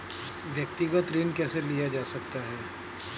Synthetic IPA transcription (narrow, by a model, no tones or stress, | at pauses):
ʋjək̚t̪ɪɡət̪ɾiːnkɛːselijad͡ʒaːsɐk̚t̪aɦɛː